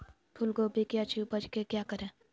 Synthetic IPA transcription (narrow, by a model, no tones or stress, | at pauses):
t̪ʰʊlɡobʱikiat͡ʃʰiupət͡ʃkekjaːkəɾẽː